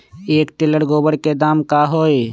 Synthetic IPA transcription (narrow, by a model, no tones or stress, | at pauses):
eːkt̪ɪləɽɡoːbəɽked̪aːmkaɦoːe